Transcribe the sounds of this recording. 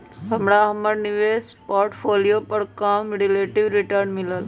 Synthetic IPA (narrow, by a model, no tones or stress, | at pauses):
ɦɐmɾaɦəməɽnɪʋeːs | paːɾʈpʰoːlijopəɾkaːmɾileːʈiʋɾɪʈəɾnmɪləl